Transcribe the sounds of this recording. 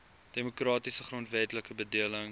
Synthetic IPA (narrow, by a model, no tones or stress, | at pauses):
d̥emokrɑːtisəχroəntvɛtləkəbədiələŋ